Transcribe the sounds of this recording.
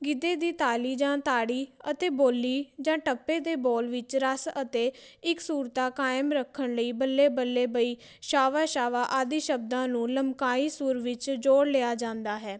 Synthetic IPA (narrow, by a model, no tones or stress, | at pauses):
ɡɪd̪eːd̪iːt̪aːliːd͡ʒãːt̪aːɽiːət̪eːboːlːiːd͡ʒãːʈəpːeːd̪eːbɔːlʋɪt͡ʃɾəsət̪eːɪksuːɾt̪aːkaːɪmɾəkʰːəɳləiːbəlːeːbəlːeːbəiː | ʃaːʋaːʃaːʋaːʔaːd̪iːʃəb̚d̪ãːnũːləmbkaːiːsʊːɾʋɪt͡ʃd͡ʒoːɽleːaːd͡ʒãːnd̪aːɦɛː